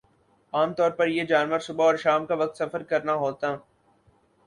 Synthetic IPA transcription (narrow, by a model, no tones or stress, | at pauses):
aːmt̪ɔːɾpɐɾjed͡ʒaːnʋəɾsʊbaɔːɾʃaːmkaʋɐk̚t̪sɐfəɾkɐɾnaɦoːt̪aː